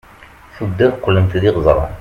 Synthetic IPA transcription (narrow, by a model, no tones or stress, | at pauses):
θud̪ːæðqːlənt̪ðiʁzˤɾˤɑ̰